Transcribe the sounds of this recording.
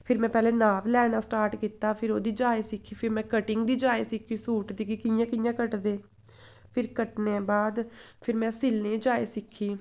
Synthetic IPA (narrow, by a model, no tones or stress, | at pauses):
pʰɪɾmɛ̃ːpɛːlẽːnaːʋlɛːnaːsʈaːɾʈkiːt̪aːpʰɪɾoːd̪iːd͡ʒaːeːsɪkʰːiːpʰɪɾmɛ̃ːkəʈɪŋɡd̪iːd͡ʒaːeːsɪkʰiːsuːʈd̪iːkɪkɪjãːkɪjãːkəʈd̪eː | pʰɪɾkəʈneːbaːd̪ | pʰɪɾmɛ̃ːsɪlneːd͡ʒaːeːsɪkʰːiː